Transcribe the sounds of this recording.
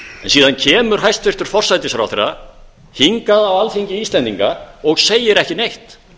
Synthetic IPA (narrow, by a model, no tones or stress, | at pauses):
ɛnsiːðancʰɛːmʏɾ̥ɦajst̪fɪr̥t̪ʏɾ̥fɔr̥sajt̪ɪsaɾawθerːa | hiŋkaðawalθiɲcɪiːst̪ɛnt̪iŋkaɔɣseːjɪɾɛhcɪnejht̪